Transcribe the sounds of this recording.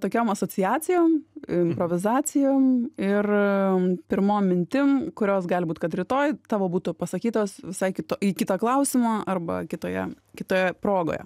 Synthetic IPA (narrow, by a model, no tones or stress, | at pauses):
t̪oːkʲoːmɐsoːt͡s̪ʲɪjæːt͡s̪ʲɪjoːmɪmpɾoːʋʲɪzɑːt͡s̪ʲɪjoːmɪr | pʲɪɾmoːmːʲɪnʲt̪ʲɪmkʊɾʲoːsɡɑːlʲbuːt̪kɐt̪ɾʲɪt̪oːjt̪ɑːʋoːbuːt̪ʊpɐsɐkʲiːt̪oːsʋʲɪsɐɪkʲɪt̪oːiːkʲɪt̪oːklˠɐʊsʲɪmoːɐrbɐ̰kʲɪt̪oːjɛ̰ | kʲɪt̪oːjɛpɾoːɡo̰ːjɛ̰